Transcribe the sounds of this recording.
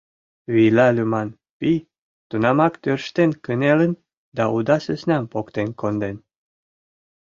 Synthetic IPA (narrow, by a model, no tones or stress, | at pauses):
βijlɑlʲymɑn | pij | t̪unɑmɑkt̪ørʃt̪enkənelən | d̪ɑʔud̪ɑsəsnɑmpokt̪enkond̪en